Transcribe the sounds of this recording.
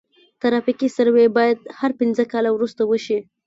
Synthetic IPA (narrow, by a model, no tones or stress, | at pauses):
t̪aɾɑfikisaɾwebɑjad̪haɾpɪnzəkɑlawɾust̪awəʃi